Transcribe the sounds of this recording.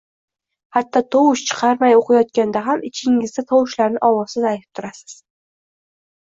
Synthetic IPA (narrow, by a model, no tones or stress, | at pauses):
hat̪ʰːɒt̪ʰowʊʃt͡ʃʰɨ̥qʰɑɾmajoqʰɑjɒt̪̚kʲand̪aɦamɪt͡ʃʰɪŋɪzd̪at̪ʰɒwɪʃlaɾnɪʔɒwɒz̥ɪzajt̪ʰɪ̥p̚t̪ʰʊɾasɪ̥z̥